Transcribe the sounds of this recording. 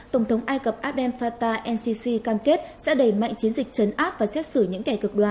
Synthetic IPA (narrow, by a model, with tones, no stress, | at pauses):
t̪ə˧˩wŋ͡mt̪ʰə˨˦wŋ͡mʔaː˧jkə˨˩p̚ʔaː˦˥p̚ɗɛ˧nfaː˧t̪aː˧ʔɛ˧nsi˧si˧kaː˧mke˦˥t̚sɛ̰˧˥ɗə˧˩ma̰˧˨jŋ̟t͡ɕi˨˦ənzï˨˩k̚t͡ɕə˨˦nʔaː˦˥p̚vaː˨˩sɛ˦˥t̚sɨ˧˩ɲɨ̰˧˥ŋkɛ˧˩kɨ˨˩k̚ɗwaː˨˩